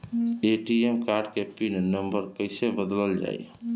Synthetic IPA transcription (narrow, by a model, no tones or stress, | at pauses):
eʈiemkaɾɖkepinnəmbəɾkəɪsebəd̪ləld͡ʒa̰ː